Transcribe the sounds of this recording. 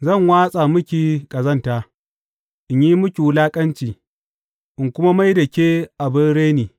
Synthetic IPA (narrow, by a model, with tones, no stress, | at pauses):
zɐ˦˨ŋwaː˦sʼa˨mʊ˦kʲi˨kʼɐ˨zɐ˦ntaː˦ | ʔɪ˨ɲji˦mʊ˦kʲi˨wlaː˦kʼɐ˦nt͡ʃiː˨ | ʔɪ˨ŋkʷʊ˦ma˦ma˦jdɐ˨kʲe˦ʔa˨bɪ˦nɽeː˦niː˨